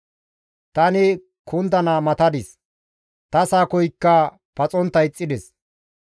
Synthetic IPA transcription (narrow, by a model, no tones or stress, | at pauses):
t̪ɐnɪ | kʰʊnd̪ɐnɐmɐt̪ɐd̪ɪs | t̪ɐsaːkɔjkːɐ | pɐt͡sʼɔnt̪ːɐjɪt͡sʼːɪd̪ɛs